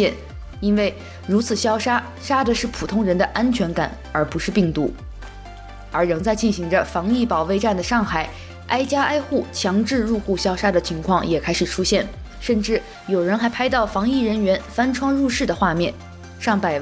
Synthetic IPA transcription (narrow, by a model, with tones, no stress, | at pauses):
ɛ˥˩n | i˥nwe˥˩ɪ | ɻu˧˥t͡sʰɹ̩˨˩ɕjɑ˥ʊʂa˥ | ʂa˥d̪ə˨ʂɻ̩˥˩pʰu˨˩t̪ʰʊ˥ŋɻə˧˥nd̪ə˧ʔa˥nt͡ɕʰɥɛ˧˥nka̰˨˩˦n | ə˞˧˥pu˧˥ʂɻ̩˥˧pi˥˩ŋt̪ṵ˧˥ | ə˞˧˥ɻɤ˧˥ŋt͡sa˥˧ɪt͡ɕi˥˩nɕi˧˥ŋʈ͡ʂə˧fɑ˧˥ŋi˥˩pɑ˨˩ʊwe˥˧ɪʈ͡ʂa˥˩nd̪ə˩ʂɑ˥˩ŋxa˨˩˦ɪ | a˥ɪt͡ɕja˥ʔa˥ɪxu˥˩t͡ɕʰjɑ˧˥ŋʈ͡ʂɻ̩˥˧ɻu˥˧xu˥˩ɕjɑ˥ʊʂa˥d̪ə˨t͡ɕʰi˧˥ŋkʰwɑ˥˩ŋjɛ˨˩kʰa˥ɪʂɻ̩˨˩ʈ͡ʂʰu˥ɕjɛ˥˩n | ʂə˥˧nʈ͡ʂɻ̩˥˩ | jo˨˩ʊɻə˧˥nxa˧˥ɪpʰa˥ɪt̪ɑ˥˩ʊfɑ˧˥ŋi˥˩ɻə˧˥nɥɛ˧˥nfa˥nʈ͡ʂʰwɑ˥ŋɻu˥˧ʂɻ̩˥˩d̪ə˩xwa˥˧mjɛ˥˩n | ʂɑ˥˩ŋpa˨˩ɪ